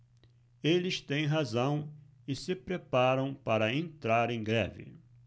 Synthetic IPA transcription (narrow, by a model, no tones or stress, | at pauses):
elɪst̪ẽj̃ɦazɐ̃w̃ | ɪsɪpɾepaɾɐ̃w̃paɾɐẽnt̪ɾaɾẽj̃ɡɾɛ̰vɪ̰